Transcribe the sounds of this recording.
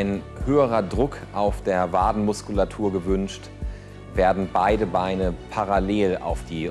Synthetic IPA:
ɪn | høːəʁɐdʁʊkʔaʊfd̥eːɐvaːdn̩mʊskulatʰuːɐɡəvʏnʃt | veːɐdn̩baɪdəbaɪnəpʰaʁaleːla̰ʊfd̥iː

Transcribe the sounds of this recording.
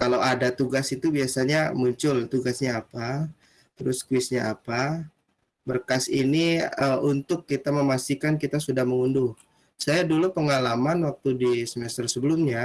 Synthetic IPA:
kalowadat̪uɡasit̪ubiasaɲamuɲt͡ʃʊlt̪uɡasɲaːpa | t̪əɾʊskwɪsɲaːpa | bərkasiniəunt̪ʊkːit̪aməmast̪ikankit̪asudahməŋundʊŋ | sajadulupəŋalamanwak̚t̪udisəmɛst̪ərsəbəlʊmɲa

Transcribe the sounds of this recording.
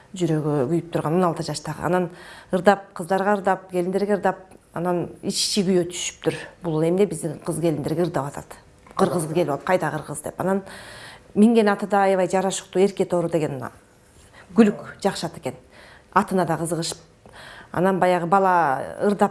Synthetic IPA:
d͡ʒyɾø̞ɡøɡyjyp̚t̪ʰuɾʁɑno̞nɑlˠt̪ɯd͡ʒɑʃt̪ɑʁɯ̰ʔɑ̰nɑnɯɾd̪ɑp̚qʰɯzd̪ɑɾʁɑɯɾd̪ɑp̚ɡe̞lind̪eɾɡeɯɾd̪ɑp̚ɑnɑnit͡ʃt͡ʃiɡyjøt̪ʰy̥ʃy̥p̚t̪ʰyɾbulˠe̞mnebizd̪iɴqʰɯzɡelind̪eɾɡeɯɾd̪ɑpɑt̪ʰɑ̰t̪ | qʰɯɾʁɯzʁɡepolˠt̪qʰɑjd̪ɑqʰɯɾʁɯzd̪e̞̰pɑ̰nɑn | miŋɡe̞nɑt̪ɯd̪ɑɑjɑʋɑjd͡ʒɑɾɑʃu̥q̚t̪uːe̞ɾke̞t̪o̞ɾud̪e̞ɡe̞n̰ | ɡ̥ylykd͡ʒɑqʃɑt̪e̞ke̞n | ɑt̪ɯnɑd̪ɑqɯzɯʁɯʃɯ̥p̚ | ɑ̰nɑnbɑjɑʁɯbɑlˠɑɯɾd̪ɑp

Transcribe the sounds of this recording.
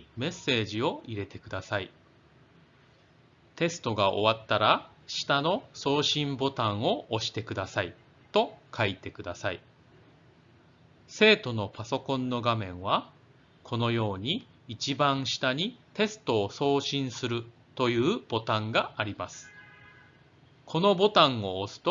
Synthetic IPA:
me̞sːe̞ːʑio̞ʔiɾe̞t̪e̞kɯ̟d̪asai | t̪e̞sɨ̥t̪o̞ɡaʔo̞̰βat̪ːaɾa | ɕi̥t̪ano̞so̞ːɕĩmbo̞t̪ãɰ̃o̞ʔːɕi̥t̪e̞kɯ̟d̪asai | t̪o̞kʰait̪e̞kɯ̟d̪asai | se̞ːt̪o̞no̞paso̞kõ̞nːo̞ɡamẽ̞ɰ̃βa | kʰo̞no̞jo̞ːɲ̟iː | t͡ɕibãɰ̃ɕi̥t̪aɲ̟it̪e̞sɨ̥t̪o̞ːso̞ːɕĩɰ̃sɨɾɯ̟ | t̪o̞jɯ̟ːb̥o̞t̪ãŋɡaːɾʲimasɨ̥ | kʰo̞no̞bo̞t̪ãɰ̃o̞ːsɨ̥t̪o

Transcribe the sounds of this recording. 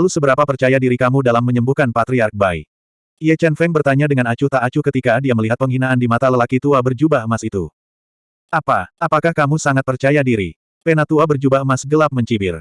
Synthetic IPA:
alusəbəɾapapərt͡ʃajadiɾikamudalamːəɲəmbuhkanpat̪ɾiark̚baj | iat͡ʃɛnfɛŋbərt̪aɲadəŋanat͡ʃut̪aʔːt͡ʃukət̪ikadiaməliɦat̪̚pəŋɦinaʔːndimat̪aləlakit̪uabərd͡ʒubaəmasit̪ṵ | ʔapaʔapakahkamusaŋat̪̚pərt͡ʃajadiɾi | pɛnat̪uabərd͡ʒubaəmasɡəlap̚məɲt͡ʃibɪr

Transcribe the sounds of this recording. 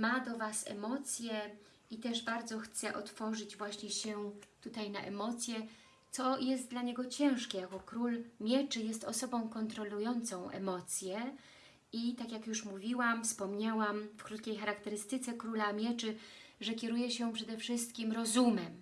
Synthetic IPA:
mad̪ɔvasɛ̰mɔt̪sʲjɛ | it̪ɛʐbaɾd̪zɔxt̪sɛʔɔt̪fɔʐɘd͡ʑvwaɕɲɛɕɛt̪ut̪ajna̰ʔɛmɔt̪sʲjɛ | t̪sɔjɛst̪̚d̪laɲɛɡɔt͡ɕɛ̃w̃ʂkʲɛjakɔkɾulmʲjɛt͡ʂɘjɛst̪ɔsɔbɔ̃w̃kɔnt̪ɾɔlujɔnt̪sɔ̃w̃ʔɛ̰mɔt̪sʲjɛ | it̪akʲjakjuʂmuvʲiwamfspɔmɲawamfkɾut̪̚kʲejxaɾakt̪ɛɾɘst̪ɘt̪sɛkɾulamʲjɛt͡ʂɘ | ʐɛkʲɛɾujɛɕɛpʂɛd̪ɛfʂɘst̪kʲimɾɔzumɛm

